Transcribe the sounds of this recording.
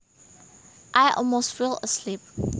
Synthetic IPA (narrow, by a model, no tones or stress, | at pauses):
ʔaɪʔɔ̰lmostfiləslip̚